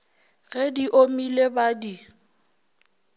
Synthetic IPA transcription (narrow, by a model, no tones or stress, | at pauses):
ɣɛdiʔomilebadi